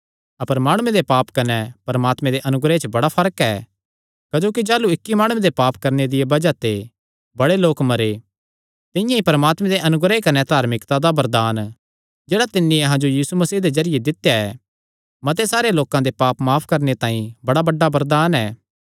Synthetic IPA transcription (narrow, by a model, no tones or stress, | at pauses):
ɐpəɾmaːɽ̃ʊẽd̪epaːpkɐnɛpɐɾəmaːt̪mẽd̪eʔɐnʊɡɾet͡ʃəbɐɽafʰɐɾkɛː | kɐd͡ʒoːkid͡ʒaːluɪkːimaːɽ̃ʊ̃ẽd̪epaːpkɐɾned̪ɪjebɐd͡ʒat̪e | bɐɽeloːkmɐɾe | t̪ɪ̃jãipɐɾəmaːt̪mẽd̪eʔɐnʊɡɾekɐnɛd̪ʱaːɾmɪkt̪ad̪abɐɾd̪aːn | d͡ʒeːɽat̪ɪnːiɐɦãd͡ʒojiːsumɐsiːɦd̪ed͡ʒɐɾɪjed̪ɪt̪ejaɛ | mɐt̪esaːɾeloːkãd̪epaːpmaːpʰkɐɾnet̪ãːĩbɐɽabɐɖːabɐɾd̪aːnɛː